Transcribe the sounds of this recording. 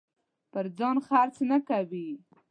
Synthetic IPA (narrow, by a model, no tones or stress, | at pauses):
pəɾd͡zɑnxaɾt͡snakawi